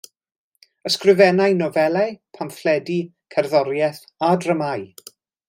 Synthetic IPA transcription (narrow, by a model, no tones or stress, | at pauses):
əskrɨvɛnajnɔvɛlˠɛpʰamflɛdi | kʰɛrðɔɾjɛθ | adrəmaj